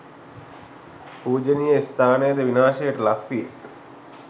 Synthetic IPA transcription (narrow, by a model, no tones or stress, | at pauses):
puːd͡ʒənijəst̪ʰaːnejəd̪əʋinaːʃejəʈəlakʋije